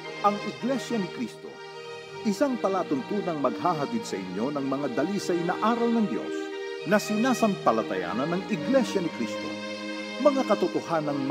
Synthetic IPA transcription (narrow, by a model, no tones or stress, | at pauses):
ʔɐŋʔɪɡlɛʃjɐnɪkɾist̪o̞̰ | ʔɪsaŋpɐlaːt̪ʊnt̪uːd̪ɐŋmɐɡ̚haːɦɐt̪id̪sɐʔɪɲjo̞nɐŋmɐŋad̪ɐliːsɐjnɐʔaːɾɐlnɐŋd̪jo̞̰snɐsɪnaːsɐnpɐlɐt̪ɐ̰ja̰ːnɐnɐŋɪɡlɛʃjɐnɪkɾist̪o̞̰ | mɐŋakɐt̪ʊt̪ohanɐŋm